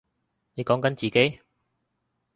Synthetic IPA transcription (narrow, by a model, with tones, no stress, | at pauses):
ne˨˧jkɔː˨˥ŋkɐ˨˥nt͡siː˨ke˨˥j